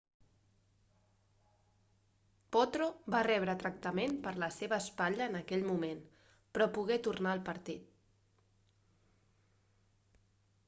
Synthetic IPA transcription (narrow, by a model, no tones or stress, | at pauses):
pɔt̪ɾobarɛβ̞ɾət̪ɾək̚t̪əmenpəɾləseβəːspaʎəːnəkɛʎmumen | pɾɔpuɣɛt̪urnaəlˠpəɾt̪it̪̚